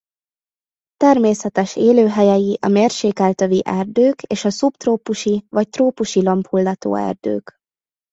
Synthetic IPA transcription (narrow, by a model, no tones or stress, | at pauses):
t̪ɛrmeːsɛt̪ɛʃeːløːɦɛjɛjiʔɒmeːrʃeːkɛlt̪øviʔɛrd̪øːkeːʃɒsupt̪roːpuʃivɒc̚t̪roːpuʃilɒmphulːɒt̪o̰ːɛ̰rd̪ø̰ːk